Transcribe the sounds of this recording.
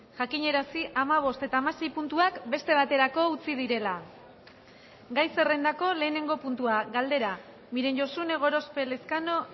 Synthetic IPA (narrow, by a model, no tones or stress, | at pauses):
ʝakiɲe̞ɾasiʔamaβ̞o̞st̪e̞t̪aːmase̞jpunt̪uakbe̞st̪e̞β̞at̪e̞ɾako̞ut͡sið̞iɾe̞la | ɡajse̞re̞nd̪ako̞le̞ːne̞ŋɡo̞punt̪uaɡald̪e̞ɾa | miɾe̞nʝo̞sune̞ɣ̞o̞ɾo̞spe̞le̞skano̞